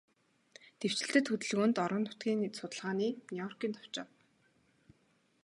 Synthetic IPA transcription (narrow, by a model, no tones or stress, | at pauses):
t̪ew̥t͡ɕɪ̆ɬt̪ɘ̆t̪xɵt̪ɘ̆ɮɣoːnt̪ɔɾə̆nːʊ̥t̪ɡʲiːnsʊt̪ə̆ɮʁaːniːnujɔrkiːnt̪ʰɔ̥w̥t͡ɕɔ̆w